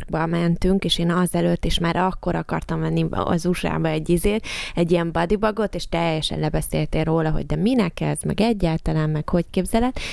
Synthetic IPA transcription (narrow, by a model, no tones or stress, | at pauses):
rɡbɒmɛnt̪yŋkeːʃeːnɒzɛløːt̪ːeːʃmaːɾʔɒkːo̞ɾɒkɒ̰rt̪ɒmvɛnːiɒ̰zuʃa̰ːbɒɛɟːizeːt̪ɛɟːijɛmbɒd̪ibɒɡo̞t̪eːʃt̪ɛjːɛʃɛ̰nlɛbɛseːlt̪eːroːlɒɦo̰ɟ̚d̪ɛminɛkɛ̰zmɛ̰ɡɛɟːaːlt̪ɒlaːmmɛkho̞ckeːbzɛlɛt̪ː